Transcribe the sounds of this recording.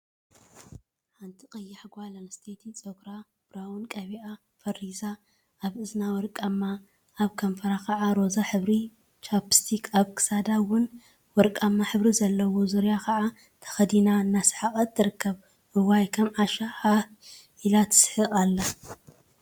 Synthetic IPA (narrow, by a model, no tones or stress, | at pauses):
ħant̪ʰiqʼɐjːaħɡʷalɐnst̪ʰet̪ʰit͡sʼoɡɾa | b̥ɾaunkʼɐβiʔa | fɐriza | ʔaβɨznawɔɾkʼamːa | ʔːβkʰɐmfɐɾakʰɐʕaɾo̞zaħɨβɾi | t͡ʃʰʼapst̪ʰikʰaβkʰɨ̥sad̪awʊn | wɔɾkʼamːaħɨβɾizɐlːɐwo̞zuɾjakʰɐʕa | t̪ʰɐ̥xɐd̪inaɨnːasɨ̥ħaχʼɐt̪ːɨɾɨkːɐβ | hɨwajkʰɐmʕaʃaħaʔilat̪ʰɨ̥sħɨʔʼalːɐ